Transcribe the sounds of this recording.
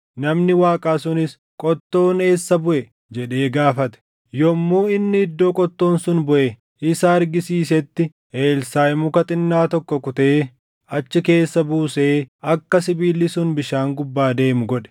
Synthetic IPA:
nɐmnɪwaːkʼaːsʊnɪs | kʼɔt̪ːo̞ːne̞ːsːɐbʊʔɛ | d͡ʒɛɗe̞ːɡaːfɐt̪ɛ̥ | jɔmːuːɪnːɪɪd̪ːo̞ːkʼɔt̪ːo̞ːnsʊnbʊʔɛ | ʔɪsɐɐɾɡɪsiːs̬ɛt̪ːɪ | eːlsaːjɪmʊkɐt̪ʼɪnːaːt̪ɔkːɔkʊt̪eː | ɐt͡ʃːɪke̞ːsːɐbuːseːɐkːɐsɪbiːlːɪsʊnbɪʃaːŋɡʊbːaːd̪e̞ːmʊɡɔᶑɛ̥

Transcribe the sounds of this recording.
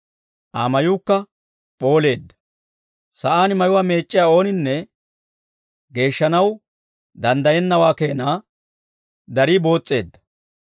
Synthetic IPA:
ʔaːmɐjuːkːɐ | pʼo̞ːle̞ːd̪ːɐ̥ | sɐʔaːnɪmɐjʊwaːme̞ːt͡ʃʼːɪjaːo̞ːnɪnːɛ | ɡe̞ːʃːɐnɐw | d̪ɐnd̪ɐjɛnːɐwaːke̞ːnaː | d̪ɐɾiːbo̞ːt͡sʼːe̞ːd̪ːɐ̥

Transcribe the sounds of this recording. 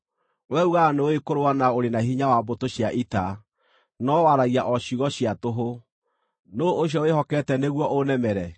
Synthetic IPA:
wɛuɣanooekoɾowanaoɾenahiɲawabotoɕjaʔita | nɔwaɾaɣiaʔɔɕuɣɔɕiatoɦo | noːɕ̬jɔwehɔkɛtɛneɣwɔʔonɛmɛɾɛ

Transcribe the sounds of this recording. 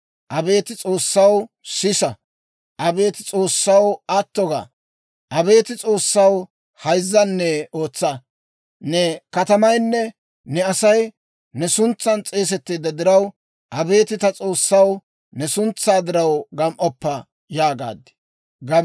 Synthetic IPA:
ʔɐbe̞ːt̪ɪt͡sʼo̞ːsːɐw | sɪsɐ | ʔɐbe̞ːt̪ɪt͡sʼoːsːɐwɐt̪ːɔɡa̰ | ʔɐbe̞ːt̪ɪt͡sʼo̞ːsːɐw | hɐjzːɐnːɛo̞ːt͡sːɐ | nɛkɐt̪ɐmɐjnːɛ | nɛɐsɐj | nɛsʊnt͡sːɐnt͡sʼeːs̬ɛt̪ːeːd̪ɐd̪ɪɾɐw | ʔɐbe̞ːt̪ɪt̪ɐt͡sʼo̞ːsːɐw | nɛsʊnt͡sːaːd̪ɪɾɐwɡɐmʔɔpːɐ | jaːɡa̰ːd̪ɪ̥ | ɡɐ

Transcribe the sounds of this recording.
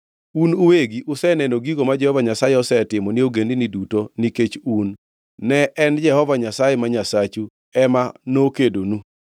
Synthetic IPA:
unuweɡiʔʊsɛnɛnoɡiɡomad͡ʒɛhɔvaɲasajeɔsɛtɪmɔnioɡendinidutoniket͡ʃunː | ɛʔɛnd͡ʒɛhɔvaɲasajemaɲasat͡ʃu | ɛmanokedonu

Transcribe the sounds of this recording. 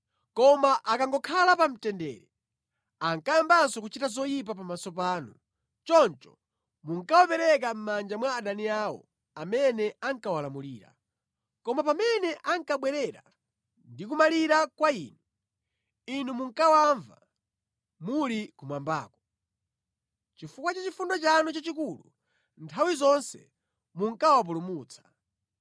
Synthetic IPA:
kɔmaʔakaŋɡɔkʰalapam̩tɛndɛ̰ːɾɛ | aŋkajambansɔkut͡ʃitazɔjip̬ap̬amasɔp̬aːnu | t͡ʃɔnt͡ʃɔ̥ | muŋkawɔpɛɾɛkam̩mand͡ʒamwaːɗaniaːwɔ̰ | amɛnɛaŋkawalamuliːɾa̰ | kɔmapamɛnɛʔaŋkaɓwɛɾɛɾa̰ | ndik̬umaliɾakwaiːnu | inumuŋkawaɱva̰ | mulikumwamba̰ːkɔ̥ | t͡ʃifukwat͡ʃat͡ʃifundɔt͡ʃanut͡ʃat͡ʃikulṵ | ntʰawizɔnsɛ̰ | muŋkawap̬ulumuːt͡sʰḁ

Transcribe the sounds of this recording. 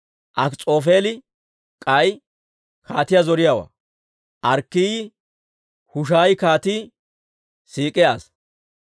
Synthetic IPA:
ʔɐkt͡sʼo̞ːfe̞ːlɪ | kʼɐj | kʰaːt̪ɪjazɔɾɪjawɐ̰ | ʔɐɾkːiːj | hʊʃ̬aːjkaːt̪i | siːkʼːɪjaːs

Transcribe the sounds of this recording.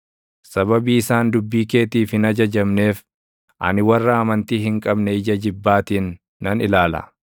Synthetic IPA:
sɐbɐbiːɪsaːnd̪ʊbːiːke̞ːt̪iːfhɪnɐd͡ʒɐd͡ʒɐmne̞ːf | ʔɐ̰nɪwɐrːɐːmɐnt̪iːɦɪŋkʼɐbnɛɪd͡ʒɐd͡ʒɪbːaːt̪iːnː | ɐnɪlaːlɐ̰

